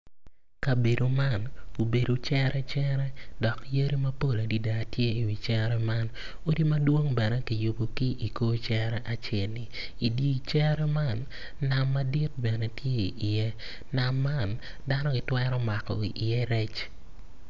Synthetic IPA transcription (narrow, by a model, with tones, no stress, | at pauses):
ka˨be˨do˨ma˦˨no˨be˨do˨t͡ʃɛ˦ɾʔɛ˦t͡ʃɛ˦ɾɛ˦dɔ˨kje˦ɾi˦mɐ˦po˦la˨di˦da˨tje˦i˨wi˨t͡ʃɛ˦ɾɛ˦ma˦n | o˦di˦mɐ˦dwo˦ŋbɛ˨nɛ˦ki˨jʊ˨bo˨ki˦ʔi˨ko˦t͡ʃɛ˦ɾɛ˦ʔa˨t͡ʃɛ˦˨lnɪ˨ | i˨di˦t͡ʃɛ˦ɾɛ˦ma˦˨nː | a˨mːa˦di˦t̚bɛ˨nɛ˦tje˦˨ɪ˨jɛ˦ | na˨mːa˦˨n | da˦nɔ˦ɡɪ˨twɛɾɔ˦ma˨kɔ̰˨ḭ˨ʔɪ˨jɛ˦ɾɛ˦t͡ʃ